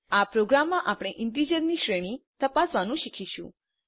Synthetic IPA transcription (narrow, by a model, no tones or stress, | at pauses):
apɾoɡɾamːãʔapɽ̃eʔɪnt̪id͡ʒəɾniʃɾeɽ̃it̪əpasʋanũʃikʰiʃṵ̃